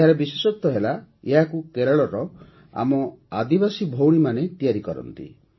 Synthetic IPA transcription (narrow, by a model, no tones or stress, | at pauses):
eɦaɾebisesɔt̪ːɔɦelaeɦakukeɾɔɭɔɾɔ | a̰mɔa̰d̪ibasibʱowɽ̃imanet̪ijaɾikɔɾɔ̰nt̪ḭ